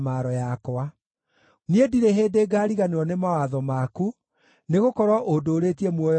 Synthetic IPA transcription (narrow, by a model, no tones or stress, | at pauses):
maɾɔjakɔa | niediɾeɦeːdeːɡaːɾiɣaneɾɔnemawaðɔmaku | neɣokɔɾwɔʔodoːɾetiemwɔj